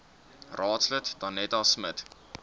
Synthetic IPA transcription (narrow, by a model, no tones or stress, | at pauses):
rɑːtslətd̥ɑnːɛtɑsmət